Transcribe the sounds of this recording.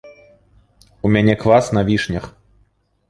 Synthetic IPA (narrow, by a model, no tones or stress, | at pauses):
umʲanʲɛkvasnavʲiʂnʲɐx